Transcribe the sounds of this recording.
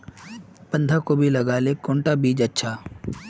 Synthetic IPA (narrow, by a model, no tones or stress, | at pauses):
pɐ̃nd̪ʱakobʱilɐɡaːlekõːɳʈabʱiːd͡ʒɐtːʃʰaː